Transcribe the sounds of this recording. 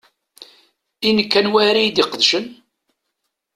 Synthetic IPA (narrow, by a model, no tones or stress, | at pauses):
inəkːænwæɾijd̪iqəðʃən